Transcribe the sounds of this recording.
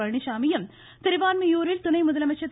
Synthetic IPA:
ɐɻɳiʃaːmijɐm | t̪ɪɾiʋaːnmɐjuːɾɪlt̪ʊɳɐjmʊðɐlɐmɐt͡ʃːɐt̪ː

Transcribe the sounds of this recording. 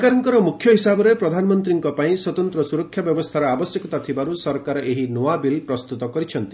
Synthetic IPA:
kaɾɔŋkɔɾɔmukʰjɔɦisabɔɾepɾɔd̪ʱanɔmɔnt̪ɾiŋkɔpaĩswɔt̪ɔnt̪ɾɔsuɾɔkʰːjabjɔbɔst̪ʰaɾɔabɔsjɔkɔt̪at̪ʰibaɾusɔɾkaɾɔʔeɦinowabilpɾɔst̪ut̪ɔkɔɾit͡ʃʰɔnt̪i

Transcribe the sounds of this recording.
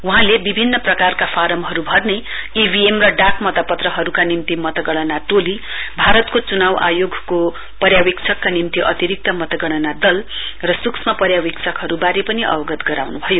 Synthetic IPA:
uɦãlebibʱinːʌprʌkarkapʰaɾʌmɦʌɾubʱʌrne | ibʱiemrʌɖakmʌt̪ʌpʌt̪rʌɦʌɾukanimt̪imʌt̪ʌɡʌɽ̃ʌnaʈoli | bʱaɾʌt̪kot͡sunawʔa̰joɡʱko | pʌɾjawikt͡sʰʌkːanimt̪iʔʌt̪iɾik̚t̪ʌmʌt̪ʌɡʌɽ̃ʌnad̪ʌl | rʌsuksmapʌɾjawik̚t͡sʰʌkɦʌɾubaɾepʌniʔʌ̰bʌɡʌt̪ɡʌɾawnubʱʌjo

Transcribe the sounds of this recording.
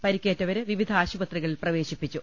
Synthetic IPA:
pɐɾikʲːeːtːɐʋɐɾɨʋiʋid̪ʱaːɕubɐt̪riɣɐɭiprɐʋe̞ːɕipːit͡ɕːu

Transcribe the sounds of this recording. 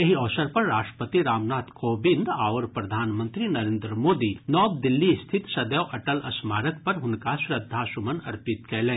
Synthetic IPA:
jɐɦiɔːsəɾpɐɾːaːʃʈə̥pət̪iɾaːmnaːt̪koːbɪ̃nd̪aːʋəɾpɾɐd̪ʱaːnmə̃nt̪ɾinɐɾẽːnd̪ɾəmoːd̪inɔːb̚d̪ɪlːist̪ʰɪt̪sɐd̪jɔːʔɐʈəlɐsmaːɾək̚pɐɾɦʊnkaʃɾɐd̪ʱːasʊmənɐɾpɪt̪kɛːlẽː

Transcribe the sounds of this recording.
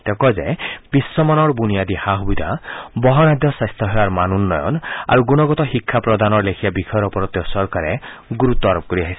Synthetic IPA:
t̪ɛkɔzɛb̥isːɔmanɔɹbunijad̪ihaɦubid̪ʱabɔɦɔnad̪jɔsajst̪ʰɔɦɔjaɹmanunːɔjɔ̰na̰ɹuɡunɔɡɔt̪ɔxikʰːapɹɔd̪anɔɹlekʰijabikʰɔjɔɾɔpɔɾɔt̪jɔsɔɹkaɾɛɡuɾut̪ːɔɾɔp̚koɾiaɦisɛ

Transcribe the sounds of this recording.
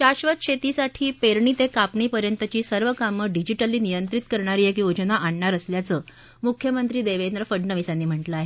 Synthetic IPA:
ɕaɕʋət̪̚ɕʰet̪isaʈʰiːpeɾɳiːt̪ekapɳiːpəɾjənt̪ət͡ɕiːsəɾʋəkaməɖid͡ʑiʈəlːiːnijənt̪ɾit̪̚kəɾɳ̃aɾiːjekiod͡ʑənaʔaɳːaɾəsljat͡səː | mukʰjəmənt̪ɾiːd̪eʋend̪ɾəfəɖɳəʋisanːiːm̤əʈləaɦe

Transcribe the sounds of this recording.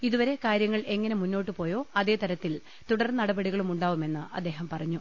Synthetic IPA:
iðuʋɐɾe̞kaːɾjɐŋːɐɭe̞ŋːɐne̞munːo̞ːʈːɨpo̞ːjo̞ːɐðe̞ːt̪ɐɾɐt̪ːil | t̪uɽɐrnɐɽɐbɐɽiɣɐɭumuɳɖaːʋume̞nːɨʔɐ̰d̪ːe̞ːɦɐmpɐrɐɲːu

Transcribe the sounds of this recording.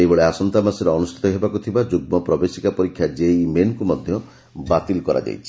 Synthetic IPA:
ebɔɭeasɔnt̪amasiɾeɔnusʈʰi̥t̪ɔɦebakut̪ʰibad͡ʒuɡ̚mɔpɾɔbesikapɔɾikʰːjad͡ʒejmenkumɔd̪ʱjɔ | bat̪ilkɔɾa̰d͡ʒa̰jt͡ʃʰi̥

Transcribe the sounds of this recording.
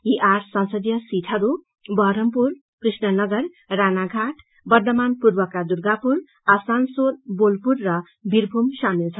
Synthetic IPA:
iʔarsʌnsʌd̪jʌsiʈʰʌɾu | bʌɾʌmpur | krisnʌnʌɡʌr | ranaɡʱaʈʰ | bʌrd̪ʌmanpurbʌkad̪uɾɡapuɾ | asansolbolpurːʌ | bʱiɾbʱumsamilt͡sʰʌ

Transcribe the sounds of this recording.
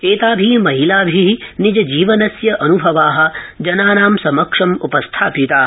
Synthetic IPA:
t͡ʃeːt̪aːbʱiːmɐɦilaːbʱiɦinid͡ʒɐd͡ʒiːʋɐnɐsjɐʔɐnubʱɐʋaːɦɐ̆d͡ʒɐnaːnaːmsɐmɐkʂɐmupɐst̪ʰaːpit̪aː

